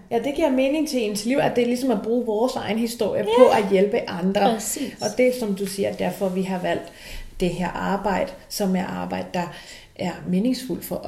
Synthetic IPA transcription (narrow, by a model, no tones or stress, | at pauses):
jæd̥e̝ɡ̥iɐ̰me̝ːne̝ŋt͡sʰe̝ensliʊ̰æd̥e̝lisɒ̽mæb̥ʁuːʋɒːsɑ̈ɪn̩hisd̥o̝ɐ̰jəpʰɒ̽ʔæjelb̥əʔɑ̈nd̥ʁɐɒ̽d̥e̝sɒ̽md̥usiːɐd̥æɐfɒ̽ʋiɦɑ̈ʋæl̰d̥ | d̥e̝ɦeɐ̰ɑ̈ːb̥ɑ̈ɪ̰d̥əsɒ̽mæɐʔɑ̈ːb̥ɑ̈ɪ̰d̥əd̥ɑ̈ | ʔæɐme̝ːne̝ŋsful̰fɒ̽